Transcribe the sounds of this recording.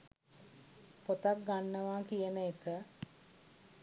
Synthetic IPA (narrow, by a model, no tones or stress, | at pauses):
pot̪ak̚ɡanːəʋaːkijənəekə